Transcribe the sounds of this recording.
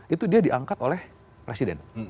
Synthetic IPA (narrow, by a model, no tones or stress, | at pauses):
it̪udiadiʔaŋkat̪olɛh | pɾesidɛ̰n